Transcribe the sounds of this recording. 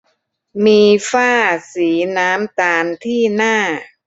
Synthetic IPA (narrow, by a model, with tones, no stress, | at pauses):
miː˧faː˥˩siː˩˦naː˦˥mt̪aː˧nt̪ʰiː˥˩naː˥˩